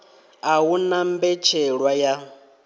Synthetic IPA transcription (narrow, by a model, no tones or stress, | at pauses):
aɦunambɛt͡ʃʰɛɺwaja